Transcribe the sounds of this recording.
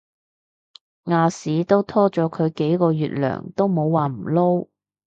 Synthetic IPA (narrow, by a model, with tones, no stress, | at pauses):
ŋaː˨˧siː˨˥t̪o˥wt̪ʰɔː˥t͡ʃɔː˨˥kʰɵ˨˧ɥke˨˥jkɔː˧jyː˨t̚lœ̰ː˨˩ŋt̪o˥wmo˨˧wwaː˨˩m̩˨˩lo˥w